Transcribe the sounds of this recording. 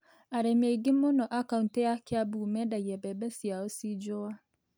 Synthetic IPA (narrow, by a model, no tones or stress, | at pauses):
aɾemeɡɪmonɔʔakaunteakɪabumɛdajɛbɛbɛsiaosid͡ʒowa